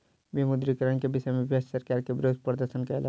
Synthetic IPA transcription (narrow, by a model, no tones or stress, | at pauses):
bimʊd̪ɾikəɾənkebɪʃemɪbjassɐɾkaːɾkebɪɾoːd̪pɾəd̪əɾʃənkaɪla